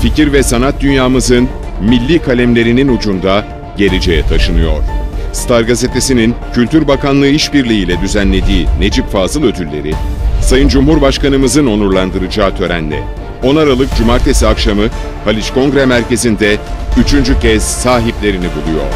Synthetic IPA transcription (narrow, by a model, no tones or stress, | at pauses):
ficiɾvɛsanat̪̚d̪ynjaːmɯzɯn | milʲːiːkʰalʲæmlʲe̞ɾininud͡ʒund̪a | ɟe̞lʲe̞d͡ʒe̞jɛt̪ʰaʃɯnɯjo̞̰ɾ̥st̪ʰaɾɡazet̪ʰe̞sinincʰylʲt̪ʰyɾbakanlˠɯiʃbiɾlʲiiːlʲɛd̪yzænlʲe̞d̪iːne̞d͡ʒipfaːzɯlˠø̞d̪ʰylʲːe̞̰ɾisajɯnd͡ʒumhuɾbaʃkanɯmɯzɯno̞nuɾlˠand̪ɯɾɯd͡ʒaːt̪ʰø̞ɾæ̰nlʲɛ̰ | o̞naɾalˠɯk̚d͡ʒumaɾt̪ʰe̞siakʃamɯ | halʲit͡ʃko̞ŋɡɾɛmæɾce̞zind̪ɛyt͡ʃʰynd͡ʒycʰɛz̥saːɦiplʲe̞ɾinibulˠujo̰ɾ̥